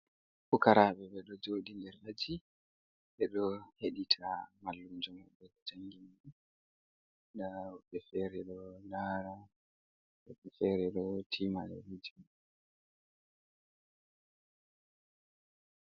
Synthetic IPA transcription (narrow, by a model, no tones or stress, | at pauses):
fukaɾaːɓɛɓɛɗɔd͡ʒoːɗindɛɾʔad͡ʒi | ɓɛɗɔheɗitʰamalːumd͡ʒɔmɔɓɛd͡ʒaŋɡiniɗu | ɗaɓɛfɛɾɛɗɔnaːɾa | ɓɛɓɛfɛɾɛɗɔtʰimaɗɛ̰wid͡ʒima